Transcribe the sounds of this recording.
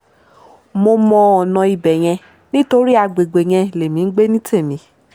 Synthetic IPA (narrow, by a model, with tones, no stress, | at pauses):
mo˧mɔ̃˧ɔ˨nɔ̃˧i˨bɛ˨j̃ɛ̃˧ | nĩ˦to˧˦ɾi˦a˧ɡ͡be˨ɡ͡be˨j̃ɛ̃˧˨le˨mĩ˨˦ɡ͡be˦nĩ˦tʰe˦˨mĩ˨˧˦